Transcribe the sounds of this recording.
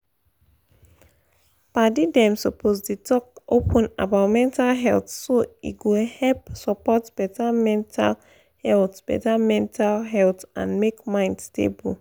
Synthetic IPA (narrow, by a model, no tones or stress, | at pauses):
padidɛ̃msɔpʰozditɔk̚opʰə̃na̰baʊtmɛ̃ntalɦɛltsoḭɡohɛlpsɔpɔtb̥ɛtamɛ̃ntʰa̰l | hɛltb̥ɛ̰tamɛ̃ntʰalɦɛltã̰nmekmãɪ̃ndstḛbu